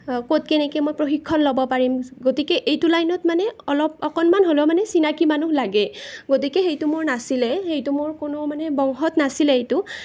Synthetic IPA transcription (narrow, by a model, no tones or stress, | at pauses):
kot̚kɛnɛkɛmojpɹoxikʰːɔnlobɔpaɹimɡotikɛʔejtulajnɔtmanɛɔlɔp̚ɔkɔnmanɦolɛmanɛsinakimanuhlaɡɛɡotikɛxejtʊmʊɹnasilɛxejtumʊɹkʊnʊmanɛbɔŋxɔtnasilɛejtʊ